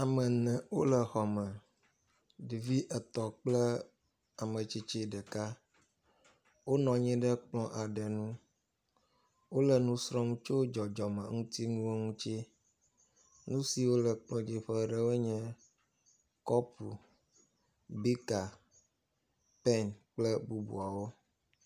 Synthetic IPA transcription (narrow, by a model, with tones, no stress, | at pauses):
a˨mɛ̃˨nɛ̃˨wo˦lə˨xɔ˨mə̃˨ | ɖi˨vi˦ʔə˨t̪ɔ˨k͡plɛ˦ | a˨mə̃˨t͡ʃi˦t͡ʃi˦ɖɛ˨ka˦ | wo˦nɔ̃˨ɲɛ̃˦ɖə˦k͡plɔ̃˦ʔa˨ɖɛ˨nũ˦ | wo˦lə˨nũ˦sɾɔ̃˦m˦t͡ʃo˦d͡ʒɔ˨d͡ʒɔ˨mɛ̃˨ŋũ˦t̪i˦ŋũ˦wo˦ŋũ˦t͡ʃi˦ | nũ˦si˨wo˦lə˨k͡plɔ̃˦d͡ʑi˦ɸɛ˦ɖɛ˦we˦ɲɛ̃˦ | kɔ˦pṵ˨ | bi˦ka˨ | pɛ˦nk͡plɛ˦bu˦bṵ˨a˨wo˦